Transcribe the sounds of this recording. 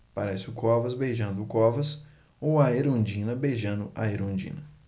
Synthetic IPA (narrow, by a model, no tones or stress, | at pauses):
pa̰ɾɛsɪʊkɔvɐzbejʒɐ̃nd̪ʊkɔvɐs | owɐeɾõd͡ʒĩnɐbejʒɐ̃nd̪ʊʔa̰eɾõnd͡ʒḭ̃nɐ